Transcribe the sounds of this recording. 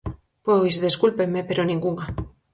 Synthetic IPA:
pojszðeskulpemːepeɾonĩŋɡuŋa

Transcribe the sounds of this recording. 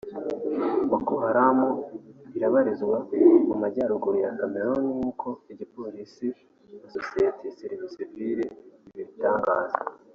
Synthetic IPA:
βakuɦaɾamuβiɾaβaɾizɡwamumaɟaːɾuɡuɾujakame̞ɾoniŋuːkʰo̞iɟipo̞ɾisi | nasosijetejaseɾivisiviɾeiβiɾitaːŋɡaːza

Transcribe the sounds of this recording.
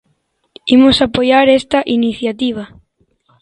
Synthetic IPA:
imosapojaɾest̪ɐʔiniθjat̪iβ̞ɐ

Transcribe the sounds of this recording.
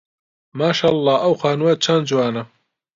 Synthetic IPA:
maːʃaːɑlˤːɑːʔɐwxaːnuwɐt͡ʃʰɐnd͡ʒuwaːnɐ

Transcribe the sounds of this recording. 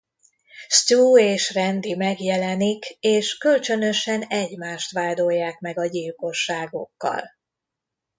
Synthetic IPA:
st̪uːeːʃrɛnd̪imɛɡjɛlɛnikeːʃkølt͡ʃønøʃɛnɛɟmaːʃt̪ʋaːd̪o̞jːaːkmɛɡɒɟilko̞ʃːaːɡo̞̰kːɒ̰l

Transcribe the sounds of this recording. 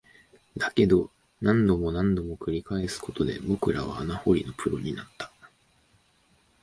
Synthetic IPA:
d̪ake̞d̪o̞ | nãnd̪o̞mo̞nãnd̪o̞mo̞kɯ̟ɾʲikaesɨ̥ko̞t̪o̞d̪e̞̰bo̞kɯ̟ɾaβ̞a̰ːnaho̞ɾʲino̞pʰɯ̟ɾoɲ̟inat̪ːḁ

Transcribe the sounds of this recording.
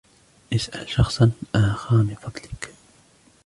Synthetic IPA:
ʔɪsʔa̰lʃɑxsˤɑnʔaːxɑnifɑd̪ˤlɪk

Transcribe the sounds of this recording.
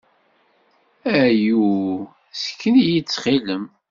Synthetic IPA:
æju | sə̥kʰːənijit͡sːχiləm

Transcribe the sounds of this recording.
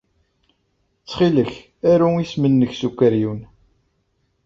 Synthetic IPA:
t͡sːχiləç | æɾuismənːəçsukʷːæɾjun

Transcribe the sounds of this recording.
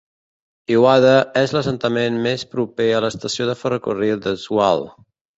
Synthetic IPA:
iwaðəɛzləsənt̪əmenmespɾupeələst̪əsioðəfərəkurid̪əzua̰lˠ

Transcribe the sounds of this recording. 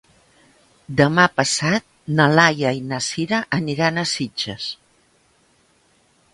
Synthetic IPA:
d̪əmapəsat̪̚nəlajəinəsiɾəʔəniɾanəsid͡ʒə̰s

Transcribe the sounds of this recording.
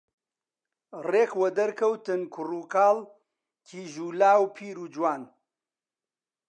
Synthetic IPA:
reːkwɐd̪ɐɾkʰɐwt̪ɨnkʰʊruːkaːl | kʰiːʒuːlaːwpʰiːɾuːd͡ʒwaːn

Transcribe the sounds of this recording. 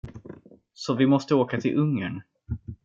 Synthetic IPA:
sɔvɪmɔst̪əoːkat̪ʰɪlʔɵŋːəɳ

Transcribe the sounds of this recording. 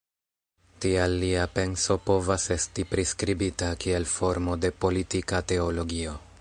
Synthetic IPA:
tialːiape̞nso̞po̞vase̞stipɾiskɾibitakie̞lfo̞ɾmo̞de̞po̞litikate̞o̞lo̞ɡio̞

